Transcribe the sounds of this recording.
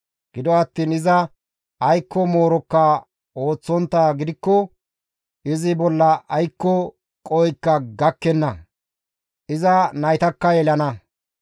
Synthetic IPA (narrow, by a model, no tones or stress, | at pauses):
ɡ̥ɪd̪ɔɐt̪ːiːnɪzɐ | ɐjkːɔmo̞ːɾɔkːɐ | o̞ːt͡sːɔnt̪ːaːɡɪd̪ɪkːɔ | ʔɪzɪbɔlːɐʔɐjkːɔ | kʼɔjkːɐɡɐkːɛnːɐ | ʔɪzɐnɐjt̪ɐkːɐjɛlɐnɐ